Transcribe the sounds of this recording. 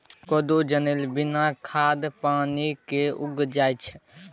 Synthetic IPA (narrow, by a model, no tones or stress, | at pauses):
kɔd̪od͡ʒənelbɪnakʰaːd̪paːnikeʊɡd͡ʒaːjt͡ʃʰ